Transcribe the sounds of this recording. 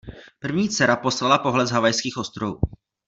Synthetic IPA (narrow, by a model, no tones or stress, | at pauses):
pr̩vɲiːt͡sɛɾapo̞slalapo̞ɦlɛzɦavajskiːxʔo̞st̪ɾovṵː